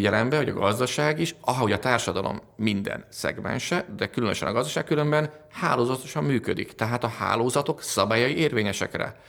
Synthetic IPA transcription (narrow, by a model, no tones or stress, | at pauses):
ɟɛlɛmbɛvɒɟɒ̰ɡɒzd̪ɒʃaːɡiʃɒo̞ɟɒt̪aːrʃɒd̪ɒlo̞̰mːind̪ɛ̰nsɛ̰ɡmɛ̰nʃɛd̪ɛkylønøʃɛ̰nɒɡɒzd̪ɒʃaːkːylø̞mbɛnhaːloːzɒt̪o̞ʃɒmːyːkød̪ikt̪ɛɦaːt̪ɒha̰ːloːzɒt̪o̞ksɒbaːjɒjieːrveːɲɛʃɛ̰krɛ̰